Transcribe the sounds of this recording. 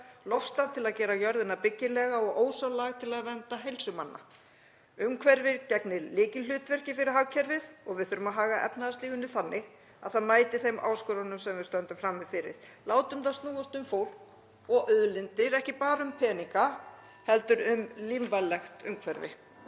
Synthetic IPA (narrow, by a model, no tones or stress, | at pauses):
lɔfst̪aðt̪ʰɪlaðcɛːɾajœɾðɪnapɪcːɪlɛɣaɔɣʔoːwsalaɣt̪ʰɪlaðvɛnt̪aɦejlsʏmanːa̰ | ʏmkʰvɛɾvɪɾcɛknɪɾlɪːcɪ̥ʏːt̪vɛr̥cɪfɪɾɪɾ̥ɦawcʰɛɾvɪðɔɣvɪðθʏːɾʏmaðɦaːɣaʔɛ̰pnaðast̪iːɣʏnːɪθanːɪ | a̰ðθaðmaːjt̪ɪθejmʔa̰ːwskʏɾanʏmsɛmvɪðst̪œnt̪ʏmfɾamːɪfɪɾɪ̰ɾ̥laːwt̪ʏmθaðst̪nuːast̪ʏmfoːwl̥k | ɔɣʔœðlɪnt̪ɪɾɛhcɪpaːɾʏmpʰɛːniŋka | hɛlt̪ʏɾʏmlinvalɛxt̪ʏmkʰvɛɾvɪ̰